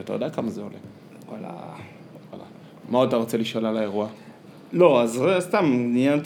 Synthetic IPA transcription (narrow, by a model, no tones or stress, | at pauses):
at̪ajod̪akamazeo̰le | wa̰la̰ | ala̰ | mautaʁot͡seliʃolalaeʁua | loazst̪amnijant̪